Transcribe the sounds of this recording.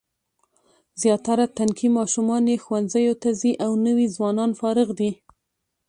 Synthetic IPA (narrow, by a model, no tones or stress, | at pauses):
zjɑt̪aɾat̪ankʰimɑʃumɑnexwanzajot̪aziʔawnəwizwɑnɑnfɑɾɪɣd̪i